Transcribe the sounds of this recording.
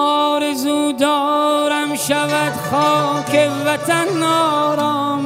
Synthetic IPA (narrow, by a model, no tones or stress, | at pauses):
ɔːɾezuːd̪ɔːɾamʃavæd̪xɔːkʲeʋæt̪ʰanːɔːɾɔːm